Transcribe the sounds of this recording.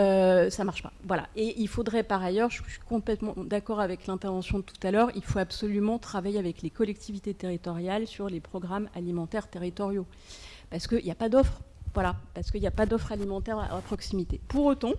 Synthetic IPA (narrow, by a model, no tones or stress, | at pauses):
øsamaʁʃpa̰vwala̰ʔeʔilfod̪ʁɛpaʁajœʁʒəʃʃɥikɔ̃plɛt̪mɑ̃d̪akɔʁavɛklɛ̃t̪ɛʁvɑ̃sjɔ̃d̪ət̪u̥t̪alœʁilfoabsɔlymɑ̃t̪χavajeavɛklekɔlɛk̚t̪ʰivit̪et̪eʁit̪ɔʁjalsyʁlepχɔɡʁamalimɑ̃t̪ɛʁt̪eʁit̪ɔʁjo | paʁsə̥kəiljapad̪ɔfχvwalapaʁsəkəiljapad̪ɔfχalimɑ̃t̪ɛʁa̰apχɔksimit̪epuʁot̪ɑ̃